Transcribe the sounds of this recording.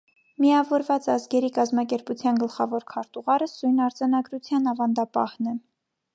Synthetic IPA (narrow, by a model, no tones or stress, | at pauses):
miɑvɔɾvɑt͡sɑzɡɛɾikɑzmɑkɛɾput͡sʰjɑnɡəlχɑvɔɾkʰɑɾt̪uʁɑɾəsujnɑɾd͡zɑnɑɡɾut͡sʰjɑnɑvɑnd̪ɑpɑhnɛ